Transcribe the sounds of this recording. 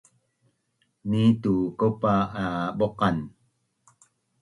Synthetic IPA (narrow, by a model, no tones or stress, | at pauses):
nit̪ukopaaɓoqɑn